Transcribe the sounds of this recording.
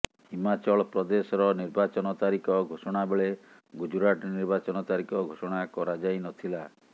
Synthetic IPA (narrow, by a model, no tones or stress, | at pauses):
himat͡ʃɔɭɔpɾɔd̪esɔɾɔniɾbat͡ʃɔnɔt̪aɾikɔɡʱosɔɽ̃abeɭe | ɡud͡ʒuɾaʈɔniɾbat͡ʃɔnɔt̪aɾikɔɡʱosɔɽ̃akɔɾad͡ʒajnɔt̪ʰila